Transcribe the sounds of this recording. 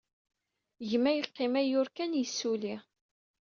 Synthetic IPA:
ʝəmːæjəqːɪmæjʊɾkænjəsːuli

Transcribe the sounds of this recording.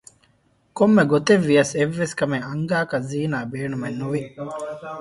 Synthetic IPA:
komːeɡot̪eʋːijɐseʋːeskɐmeɐŋɡaːkɐzːiːnaːbeːɳumenːuʋi

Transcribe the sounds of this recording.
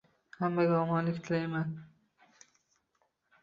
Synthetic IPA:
hamːaɡʲaɒmɒnlɪkʲt̪ʰɪlajman

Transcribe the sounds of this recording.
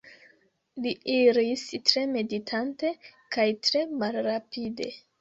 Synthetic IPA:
liʔiɾistɾe̞me̞ditʰante̞kajtɾe̞malɾapide̞̰

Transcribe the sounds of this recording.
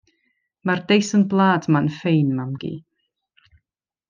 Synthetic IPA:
mardejsənblˠaːdmanfejnmamɡ̥ḭː

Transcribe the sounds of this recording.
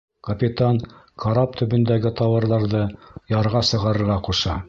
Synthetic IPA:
kɐpʲit̪ankʰɐɾɑpt̪ʰɵ̆bɵ̆nd̪æɡɘt̪ɑwɤ̆ɾðɑɾðɤjɑɾʁɑsɤ̆ʁɑɾɤ̆ɾʁɑquʃɑ

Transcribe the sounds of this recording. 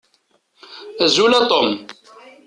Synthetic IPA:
æzulæt̪ˤom

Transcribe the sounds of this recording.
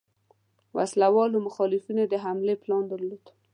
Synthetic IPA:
wa̰slawɑlomʊxɑlɪfinod̪əɦamleplɑnd̪əɾlod̪

